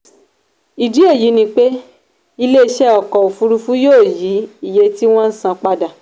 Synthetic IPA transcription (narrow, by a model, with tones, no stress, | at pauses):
i˨di˨˦e˦˨ji˨˦nĩ˧k͡pe˦ | i˧le˦i˧ʃɛ˦ɔ˨kɔ˨u˨fu˧ɾu˧fu˦joː˦˨ji˨˦i˦˨je˧ti˦w̃ɔ̃˦n̩˦sã˧k͡pa˧da˨